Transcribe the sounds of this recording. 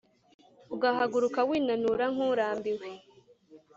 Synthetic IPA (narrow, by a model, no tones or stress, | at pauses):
uɡaɦaɡuɾukawiːnanuɾaŋ̥uɾaːmbiwe